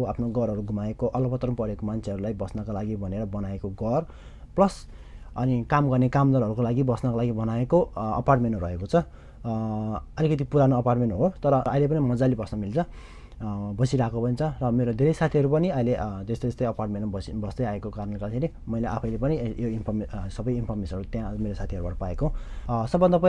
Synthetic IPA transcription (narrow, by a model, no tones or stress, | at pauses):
apʰnoɡʌɾʌɾuɡʱumaekoʔʌlʌpʌt̪rʌmpʌɾekomant͡sʰeʌɾulajbʌsnʌkolaɡibʱʌneɾʌbʌnaekoɡʌr | plʌs | ʌnikamɡʌrnekamd̪ʌɾʌɾukolaɡibʌsnʌkolaɡibʌnaekoʌ̰parʈmenrʌekot͡sʰʌ | ʌlikʌt̪̬ipuɾanoʌparʈmenɦot̪ʌɾʌʌilep̬ʌnimʌd͡zalibʌsnʌmilt͡sʰʌ | bʌsiɾakopʌnt͡sʰʌrʌmeɾod̪ʱeɾʌjsat̪ʰiɦʌɾupʌniʌiled͡zʌst̪ʌʌst̪ʌjʌparʈmenibʌsd̪ʌjaekokarnʌnlɡʌdkʰeɾi | mʌjleʔa̰pʰʌjlepʌnijoinpʰʌrmesʌbʌjinpʰʌrmesʌnʌɾut̪jãmeɾosat̪ʰiɦʌɾubaʈʌpaekoɦsʌbːʌnd̪ap